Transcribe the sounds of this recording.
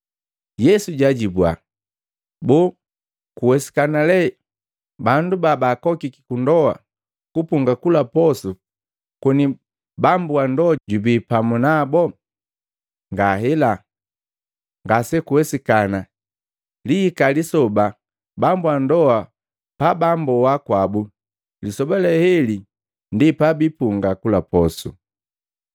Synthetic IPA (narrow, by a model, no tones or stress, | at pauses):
jɛsuɟaɟibwa̰ | bɔ | kuwɛsi̥kanalɛ | bandubabaːkɔkiki̥kundɔwa̰ | kupuŋɡakulapɔsu | kɔni | bambuandɔaɟubiːpamunabɔ | ŋɡaɦɛla | ŋɡasɛkuwɛsikana | liːkalisɔba | bambuwandɔa | pabambɔwakwabu | lisɔbalɛhɛli | ndipabipuŋɡakulapɔsu